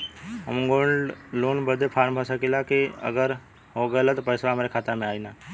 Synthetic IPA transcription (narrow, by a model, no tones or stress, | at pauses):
əmŋɡoːɳloːnbəd̪ʱepʰaːɾmbʱasakilakeə̰ɡəɾ | ɦoɡələt̪pəɪsʋaəmɾekʰaːt̪amẽaːinaː